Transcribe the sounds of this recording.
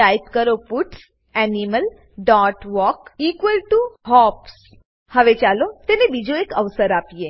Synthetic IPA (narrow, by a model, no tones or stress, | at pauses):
ajpkəɾopuʈs | ɛniməl | ɖɔʈʋɔkikʋəlʈuhɔps | həʋet͡ɕalot̪enebid͡ʑoekəʋsəɾapije